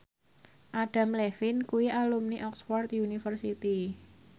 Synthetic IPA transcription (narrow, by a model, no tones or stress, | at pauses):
ʔaɖ̥a̤mlefɪnkuwiʔalumniʔɔksfɔrt̪junifərsit̪i